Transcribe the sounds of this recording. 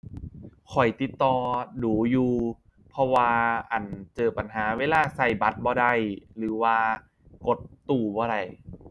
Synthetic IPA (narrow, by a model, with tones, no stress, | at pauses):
kʰɔ˨˩jt̪i˨˩t̪ːɔː˧duː˨˩˦juː˨˩ | pʰɔ˧waː˧ʔa˨˩nt͡ɕɤː˨˩pa˨˩nɦaː˩˦weː˧laː˧˥˩sa˧˩jba˨˦t̪̚bɔː˧da˧˩jlɯː˩˦waː˧ | ko˨˦t̪̚ːuː˨˩bɔː˧˦ɾa˧˨˩j